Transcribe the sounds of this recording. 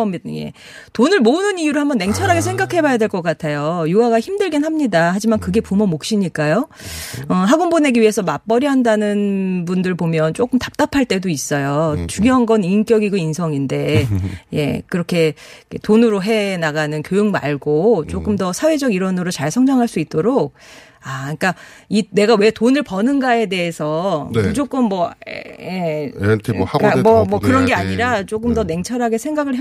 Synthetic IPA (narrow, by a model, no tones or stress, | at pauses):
jḛ | tonɯɭmonɯnijuɾoɭhambʌnːe̞ŋt͡ɕʰʌnaɡes̬ʰe̞ŋɡakʰe̞bajadwe̞ɭk͈ʌk͈atʰejojuaɡaçimdɯɭɡinɦamɲidaɦad͡ʑimankɯɡe̞pumomok̚ɕ͈iɲik͈ajo | ʌɦaɡonbone̞ɡiɥiɦe̞sʰʌmap͈ʌɾjʌɦandanɯnpundɯɭpomjʌnt͡ɕ͈ok͈ɯmtḁp̚t͈apʰaɭt͈e̞dois͈ʌjot͡ɕuɡjʌɦanɡʌnink͈jʌɡiɡoinsʰʌŋinde̞je̞̰kɯɾʌkʰe̞kʰetonɯɾoɦe̞naɡanɯnkjojɯŋma̰ɭɡot͡ɕ͈ok͈ɯmdʌsʰawe̞d͡ʑʌɡiɾʌnɯɾot͡ɕaɭsʰʌŋd͡ʑʌŋɦaɭs͈uit̚t͈oɾok̚ | ak͈a | ine̞ɡawe̞tonɯɭpʌnɯnɡae̞de̞ɦesʰʌnt͡ɕ͈ok͈ɯmːʌ̰jetʰehaɡmʌmʌkɯɾʌnɡe̞aɲiɾat͡ɕ͈ok̬͈ɯmdʌne̞ŋt͡ɕʰʌɾɦaɡe̞sʰe̞ŋɡaɡɯɭɦ